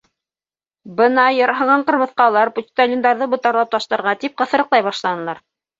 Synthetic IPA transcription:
bɤnɑjɤ̆ɾɦɤ̆ɴɑɴqɤ̆ɾmɤ̆θqɑlˠɑɾput̪ʲst̪alʲind̪ɑɾðɤbŭt̪ɑɾlˠɑp̚t̪ɑʃt̪ɤ̆ɾʁɑt̪ip̚qɤ̆θɤ̆ɾɤ̆qlˠɑjβɑʃlˠɑnɤ̆lˠɑɾ

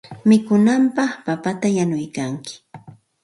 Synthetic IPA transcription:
mɪkʊnampɑχpapat̪ajanʊjkaŋkɪ̥

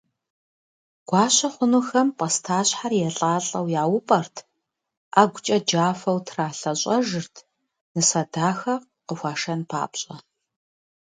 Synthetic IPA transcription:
ɡ̥ʷɑːɕɐχʷʊnuxɐmpʼɐstʰaːɕħarjɛɬʼaːɬʼɐwjaːwʊpʼɐrtʰ | aːɡʷʊt͡ʃʼɐd͡ʒaːfɐwtʰraːɬɐɕʼɐʒɨrtʰ | nɨsɐdaːxɐ | qəxʷaːʂɐnpʰa̰ːpɕʼɐ

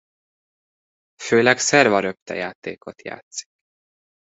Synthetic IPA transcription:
føːlɛksɛrvɒɾøpt̪ɛ̰jaːt̪eːko̞t̪ja̰ːt̪si̥k

